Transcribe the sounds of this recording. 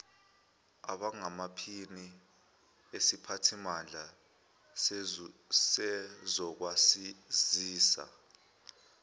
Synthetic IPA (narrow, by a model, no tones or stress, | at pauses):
a̰ɓaŋamapʰini | esipʰatʰimand͡ɮʱa | sɛzɔk̬wasiziːsa̰